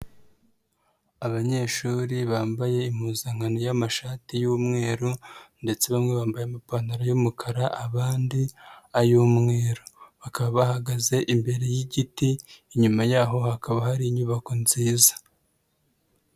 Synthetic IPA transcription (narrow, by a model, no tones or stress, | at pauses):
aβaɲe̞ʃuːɾiβaːmbaje̞im̥huːzaŋ̥anojamaʃaːtijuːmŋe̞ːɾonde̞t͡se̞βamŋe̞βaːmbajeamapanaɾajomukʰaɾaʔaβaːndiajuːmŋe̞ːɾoβakaβaβahaɡaze̞ʔimbe̞ɾe̞jiɟitiːɲumajaːɦo̞hakaβahaɾiɲuβako̞nziːzḁ